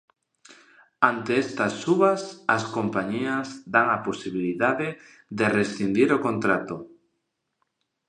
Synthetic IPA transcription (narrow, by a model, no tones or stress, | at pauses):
ant̪eɛst̪asːuβɐsɐskompaɲiɐzd̪aŋaposiβ̞iliðaðe | ðeresθind̪iɾokont̪ɾat̪o